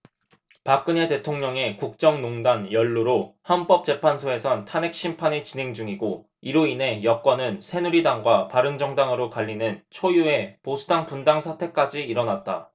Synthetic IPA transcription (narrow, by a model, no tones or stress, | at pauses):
pak͈ɯne̞te̞tʰoŋɲʌŋe̞kuk̚t͡ɕ͈ʌŋnoŋdanjʌɭːuɾohanp͈ʌp̚t͡ɕ͈e̞pʰansʰoe̞sʰʌntʰane̞k̚ɕ͈ʰimpʰaɲit͡ɕine̞ŋd͡ʑuŋiɡo | iɾoine̞jʌk͈wʌnɯnsʰe̞nuɾidaŋɡwapaɾɯŋd͡ʑʌŋdaŋɯɾokaʎːinɯnt͡ɕʰojue̞posʰudaŋpundaŋsʰatʰe̞k͈ad͡ʑiiɾʌnat̚t͈a̰